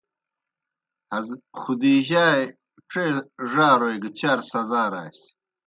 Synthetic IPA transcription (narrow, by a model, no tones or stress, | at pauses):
hɐzχud̪iːʑaːj | ʈ͡ʂeʐaːɾojɡt͡ɕaːɾsɐzaːɾa̰ːjs